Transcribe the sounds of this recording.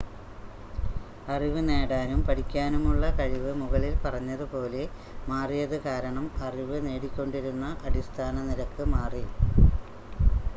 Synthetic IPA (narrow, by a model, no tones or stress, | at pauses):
ɐriʋɨne̞ːɽaːnumpɐɽikʲːaːnumuɭːɐkɐɻiʋɨmuɣɐɭilpɐrɐɲːɐðɨpo̞ːle̞ | maːrijɐðɨkaːɾɐɳɐmɐriʋɨne̞ːɽikʲːo̞ɳɖiɾunːɐʔɐɽist̪ʰaːnɐniɾɐkːɨmaːri